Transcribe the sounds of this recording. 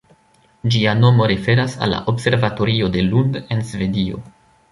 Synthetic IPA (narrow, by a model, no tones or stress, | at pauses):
d͡ʒiano̞mo̞ɾefe̞ɾasa̰lːa̰ʔo̞bse̞ɾvato̞ɾio̞de̞lunde̞nsve̞dio̞̰